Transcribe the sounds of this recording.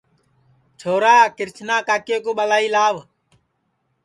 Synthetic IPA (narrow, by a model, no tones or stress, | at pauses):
t͡ʃʰoːɾaːkɪɾt͡ʃʰnaːkaːkeːkoːɓəlaːiːlaːʋ